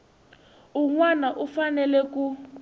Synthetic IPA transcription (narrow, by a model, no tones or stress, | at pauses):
uŋwanaʔufanɛlɛku